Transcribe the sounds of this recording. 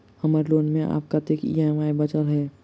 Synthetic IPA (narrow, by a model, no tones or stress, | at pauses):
həmaːɾeloːnmẽʔa̰ːp̚kat̪ekḭɛmaːibət͡ʃəlɦɛː